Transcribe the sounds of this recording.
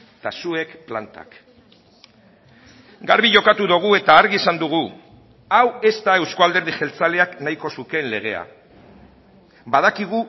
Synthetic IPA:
t̪asue̞kplant̪a̰k | ɡaɾβiʝo̞kat̪uðoɣ̞ue̞t̪aːɾɣisand̪uɣ̞u | awe̞st̪ae̞wskoald̪eɾðixe̞lt͡sale̞aknaiko̞suke̞nle̞ɣ̞e̞a̰ | bað̞akiɣ̞u

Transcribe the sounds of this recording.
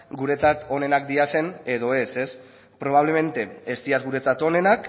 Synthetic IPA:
ɡuɾe̞t͡sat̪o̞ne̞nakd̪iase̞ne̞ð̞o̞e̞se̞s | pɾo̞β̞aβle̞me̞nt̪e̞est̪iazɡuɾe̞t͡sat̪o̞ne̞nak

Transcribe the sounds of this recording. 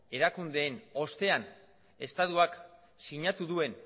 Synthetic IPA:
e̞ɾakund̪e̞ːno̞st̪e̞an | e̞st̪at̪uak | siɲat̪uðue̞n

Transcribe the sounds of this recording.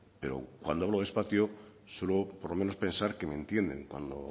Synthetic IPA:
pe̞ɾo̞̰kwand̪oaβloðe̞spaθjo | selopoɾlo̞me̞no̞spe̞nsaɾke̞mẽ̞nt̪je̞nd̪e̞̰ŋkwa̰nd̪o̰

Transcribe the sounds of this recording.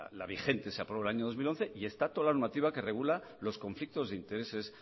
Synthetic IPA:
la̰β̞ixe̞nt̪e̞seapɾolaɲoðo̞zmilo̞nθe̞ʔie̞st̪at̪olanomat̪iβake̞re̞ɣula | lo̞sko̞ɱflik̚t̪o̞zðeint̪e̞ɾe̞se̞s

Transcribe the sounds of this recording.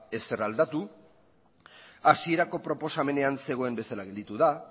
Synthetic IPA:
e̞se̞rald̪at̪u | asie̞ɾako̞pɾo̞po̞same̞ne̞anse̞ɣ̞o̞e̞mbe̞salaɣe̞ld̪it̪uða

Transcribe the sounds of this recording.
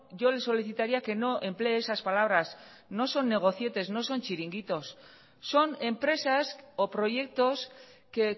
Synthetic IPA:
ʝo̞le̞sːo̞liθit̪aɾiake̞no̞ʔe̞mple̞esaspalaβ̞ɾas | no̞so̞nːe̞ɣ̞o̞θje̞t̪e̞zno̞so̞nt͡ʃiɾiŋɡit̪o̞sː | o̞ne̞mpɾe̞sasopɾo̞ʝe̞k̚t̪o̞ske

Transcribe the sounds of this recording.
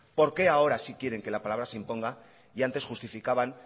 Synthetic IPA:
po̞ɾke̞ao̞ɾasikje̞ɾe̞ŋke̞lapalaβ̞ɾaseimpo̞ŋɡa | iant̪e̞sxust̪ifikaβan

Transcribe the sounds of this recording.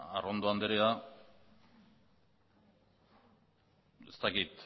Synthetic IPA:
a̰rond̪oand̪eɾea | e̞st̪akit̪

